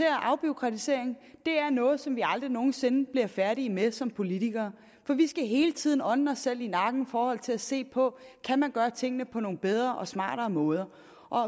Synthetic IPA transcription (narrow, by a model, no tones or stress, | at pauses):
e̝ɐʔɑ̈ʊb̥io̝kʰʁɑ̈t͡sʰise̝ɐ̰eŋ̩d̥e̝æɐnɔ̽ːð̞̩ˠsɒ̽mʋiɑ̈ld̥ʁino̝ːn̩se̝nəb̥liɐfæɐɾiəmesɒ̽mpʰo̝lit͡sʰiɡ̥ɐː | fɒ̽ʋisɡ̥æɦe̝ːlət͡sʰið̞̰ˠn̩ɒ̽nn̩ɒ̽sel̰inɑ̈ɡ̥n̩fɒːhɒ̽l̰t͡sʰe̝læse̝̰ːpʰɒ̽kʰæmænɡ̥ɶːɐt͡sʰe̝ŋ̰ənəpʰɒ̽no̝ːn̩b̥eð̞ˠʁɐʔɒ̽smɑ̰̈ːɾ̥ɐːmɔ̽ːð̞ˠɐ | ʔɒ̽